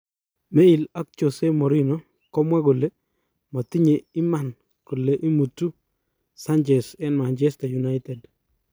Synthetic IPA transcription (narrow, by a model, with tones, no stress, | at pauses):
me˦i˨la˦k̚t͡ʃo˨se˦mɔ˨ɾi˦no˦ | kɔ˦mwa˦ko˨le˦ | mɔ˨ti˦ɲe˨i˦ma˨n | ko˨le˨ʔi˦mu˨tu˦ | sa˦nt͡ʃɛ˨sɛ˦nma˨nt͡ʃɛ˦sta˨ju˨na˦ɪtɛ˨d